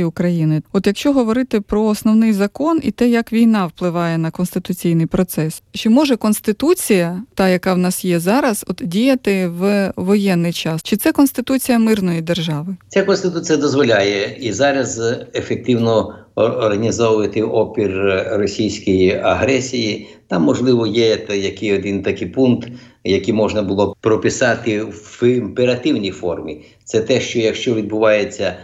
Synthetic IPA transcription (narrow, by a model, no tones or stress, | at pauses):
iʊkɾɐjinɪɔt̪jɐkʃt͡ʃɔɦɔʋɔɾɪt̪ɪpɾɔːsnɔwnɪjzɐkɔnḭt̪ɛjɐkʋʲijnɑwplˠɪʋɑjɛnɐkɔnst̪ɪt̪ʊt͡sʲijnɪjpɾɔt̪sɛst͡ʃɪmɔʒɛkɔnst̪ɪt̪ut͡sʲijɐt̪ɑjɐkɑwnɑsjɛzɑɾɐz̥ɔt̪dʲijɐt̪ɪʋʋɔjɛnːɪjt͡ʃɑst͡ʃɪt̪sɛkɔnst̪ɪt̪ut͡sʲijɐmɪrnɔjid̪erʒɑʋɪt͡sʲakɔnst̪ɪt̪ut͡sʲijɐd̪ɔzʋɔlʲajɛizɑɾɐzefek̚t̪ɪwnɔː | rɦɐnʲizɔʋʊʋɐt̪ɪɔpʲirrɔsʲijsʲkɔjiɐɦɾɛsʲijit̪ɑmːɔʒlˠɪʋɔjɛt̪jɐkɪjɔd̪ɪnt̪ɐkɪpunkt̪ | jɐkimɔʒnɐbʊlˠɔpɾɔpɪsɑt̪ɪɪmpeɾɐt̪ɪwnʲijfɔrmʲi | t̪sɛt̪ɛʃt͡ʃɔjɐkʃt͡ʃɔʋʲid̪̚bʊʋɑjet͡sʲːɐ